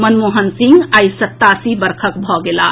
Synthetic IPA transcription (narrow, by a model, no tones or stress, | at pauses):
mənmoɦənsĩŋɡajsət̪ːasibəɾkʰəkbʱɔɡela̰